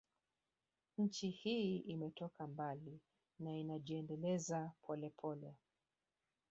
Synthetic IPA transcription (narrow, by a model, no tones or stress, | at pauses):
ɲ̩t͡ʃihiimɛtɔkambali | nainaʄiɛndɛlɛzapʰɔlɛpʰɔlɛ